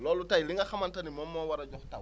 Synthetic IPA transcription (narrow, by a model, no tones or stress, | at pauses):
lɔlutailĩŋɡaxamãntanimɔmɔwaɾad͡ʒɔta